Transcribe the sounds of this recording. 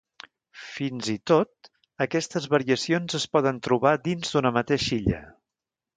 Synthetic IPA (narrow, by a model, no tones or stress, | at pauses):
finzit̪ot̪̚ | əkɛst̪əzβəɾiəsionzəspɔðənt̪ɾuβ̞ad̪inzd̪unəmət̪eʃiʎə̰